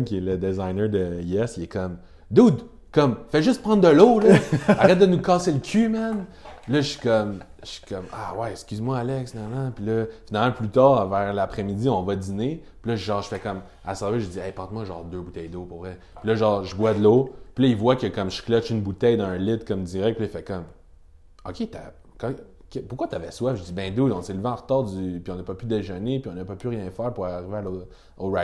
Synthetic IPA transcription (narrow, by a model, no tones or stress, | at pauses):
nkʲɛləd̪ezajnəd̪əiɛsɛkɔm | d̪ud̪ | kʌmfɛʒʏstpʁɑ̃nd̪d̪əloləaʁɛt̪̚d̪ənukɑːseləkʲʰymɛn | pilʌʃi̥kʌm | ʃi̥kʰʌma̰wɛɛkskʲyzmwaalɛksfinalmãpilʌfinalmɑ̃plyt̪ɑːʁvɛːʁlapχɛmid͡ziɔ̃vʌd̪inepilʌʒʒɑ̃ːʁʒ̥ə̥fɛkʌm | a̰sɛveʒəd͡ziɛjpɑ̃t̪mwaʒɑːʁd̪øbut̪ɛjd̪opʊʁvʁɛ | pilʌʒɑ̃ːʁʒəbwad̪lopilʌivwakəkʌmʒə̥klʌt͡ʃynbut̪ɛjd̪ɑ̃ə̃lɪt̪kɔmd̪iʁɛk̚pilʌifɛkɔm | ɔkʲet̪a̰ | kɑ̃ | kɛpʊʁkwat̪avɛswafʒəd͡zibɛ̃d̪oɔ̃selveɑ̃ʁt̪ɑːʁd͡z̪ypiɔ̃nəpɔpyd̪eʒənepiɔ̃nəpɔpyʁjɛ̃fɛːʁpuʁaʁivealo | ɔlʁat̪